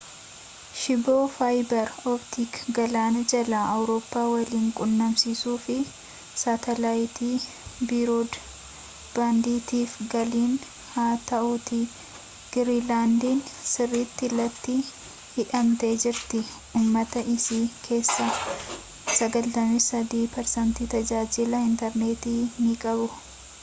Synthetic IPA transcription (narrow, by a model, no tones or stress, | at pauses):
ʃɪboːfaːjbɐɾɔbt̪ikɡɐlaːnɐd͡ʒɐlaʔɐwɾo̞ːpːaːwɐliːŋkʼʊnːɐmsiːsuːfɪ | saːt̪ɛlaːjɪt̪iː | biːɾoːd̪ | baːnd̪iːt̪iːfɡɐliːn | haːt̪ɐʔut̪ɪ | ɡ̥ɪɾiːlaːnd̪iːnsɪrːiːt̪ːɪlːɐt̪ːɪ | hɪᶑɐmt̪e̞ːd͡ʒɪɾt̪ɪ | uːmːɐt̪ɐʔɪsiːkʰe̞ːsːɐ | sɐɡɐlt̪ɐmɪfsɐd̪iːpɛɾsɐnt̪iːt̪ɐd͡ʒaːd͡ʒɪlɐɪnt̪ɐɾneːt̪iːmiːkʼɐbʊ